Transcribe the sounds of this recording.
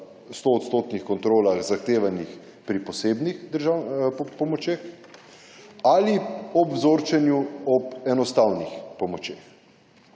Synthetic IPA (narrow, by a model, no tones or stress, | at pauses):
st̪oːt̪st̪oːt̪nixkɔnt̪ɾoːlaɣzaxt̪eːʋanix | pɾipɔseːbnixd̪əɾʒawpɔmɔt͡ʃex | aliɔbwzoːɾt͡ʃɛnjuɔpɛnɔst̪awnixpɔmɔt͡ʃeːx